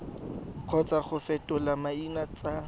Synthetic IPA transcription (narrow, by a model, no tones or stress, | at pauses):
q͡χʰɔt͡sʼaχʊfɛtʼɔlamainat͡sʼa